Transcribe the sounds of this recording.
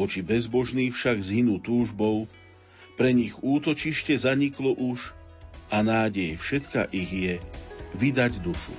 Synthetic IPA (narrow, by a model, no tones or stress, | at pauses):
ɔt͡ʃibɛzbɔʒniːxfʃaɡzɦinuːt̪uːʒbɔʊ | pɾɛɲiɣuːt̪ɔt͡ʃiʃcɛzaɲiklɔʔuʃ | ʔanaːɟɛjfʃɛt̪ka̰ʔiɣjɛʋid̪aɟd̪uʃṵ